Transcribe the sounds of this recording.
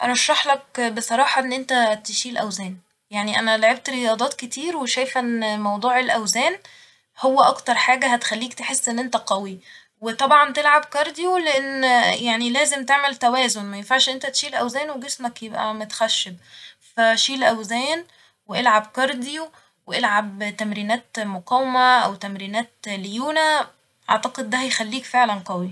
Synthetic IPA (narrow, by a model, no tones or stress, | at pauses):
ʔɑɾˤɑʃːɑħlɑk̚besˤɑɾˤɑːħɑʔenːʔent̪æt̪eʃiːlʔæwzæːn | jaʕniʔænæloʕeb̚t̪ɾejɑːd̪ˤɑːt̪ket̪iːɾweʃæjfʔænːmɑwd̪ˤuːʕelʔæwzæːn | howːæʔɑkt̪ɑɾˤħaːɡæɦæt̪e̥xælːiːkt̪eħesːʔenːʔent̪æqæwi | wet̪ˤɑbʕɑnt̪elʕabkɑɾˤd̪ijoleʔenːjaʕnilæːzemt̪eʕmælt̪æwæːzonmæjenfaʕʃʔent̪æt̪ʃiːlʔæwzæːnweɡesmækjebʔæ̰mot̪xæʃːeb̚ | fæʃiːlʔæwzæːn | weʔelʕabkɑɾˤd̪ijo | weʔelʕab̚t̪æmɾiːnæːt̪moqɑːwemæʔæwt̪æmɾiːnæːt̪ljuːnæ | ʔɑ̰ʕt̪ɑqed̪̚ːæhæjxælːiːkfeʕlænqɑwi